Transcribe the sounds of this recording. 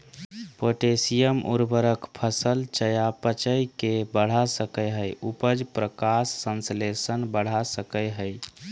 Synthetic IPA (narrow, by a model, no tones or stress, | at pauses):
poʈesijəmṵɾbəɾəkpʰəsəlt͡ʃəjapət͡ʃəjkebəɽ̤asəkəjɦəjupəd͡ʒpɾəkasːənslesənbəɽ̤asəkəjɦəj